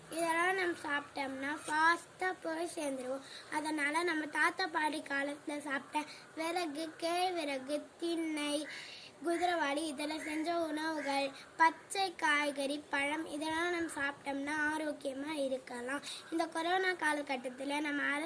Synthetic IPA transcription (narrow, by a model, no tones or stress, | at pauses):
ɪðɐlãːnɐmːɐsaːpʈɐmnaːfaːsʈaːpoːseːnd̪ɪɾɯʋõɐðɐnaːlɐnɐmːɐt̪aːt̪ːaːpaːʈɾikaːlɐt̪ːɪlɐsaːpʈːɛ̃ː | ʋɪɾɐɣɯkeːɻʋɪɾɐɣɯt̪ɪnːɐɪ | ɡʊðɪɾɐʋaːɽiɪðɐlɐ̃sɛɲd͡ʒɐʊɳɐʋɯɣɐɭpɐt͡ʃːɐɪkaːjɣɐɾipɐɻɐmɪðɐlãːnɐmːɐsaːpʈɐmnaːaːɾoːkːɪjɐmaːɪɾɯkːɐlãːɪnd̪ɐkɔɾoːnaːkaːlɐkɐʈːɐt̪ːɪlɐnɐmːɐ